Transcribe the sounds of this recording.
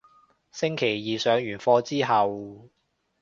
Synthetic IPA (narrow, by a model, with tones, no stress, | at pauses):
sɪ˥ŋkʰe˨˩jːiː˨sœː˨˧ŋjyː˨˩nfɔː˧t͡siː˥ɦɐ˨w